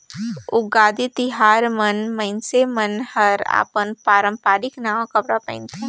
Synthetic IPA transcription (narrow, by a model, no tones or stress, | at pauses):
ʊɡaːd̪it̪ɪɦaːɾmɐnmɐ̃nsemɐnhɐɾa̰ːpənpaːɾə̃mpaːɾɪknaːʋãkɐpɽapɛ̰̃ɪnt̪ʰa